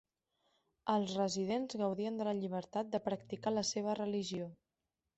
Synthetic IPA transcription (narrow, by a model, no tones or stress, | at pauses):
əlˠzrəzið̞enzɣəwðiənd̪ələʎiβ̞əɾt̪at̪̚d̪əpɾək̚t̪ikaləseβ̞ərəliʒio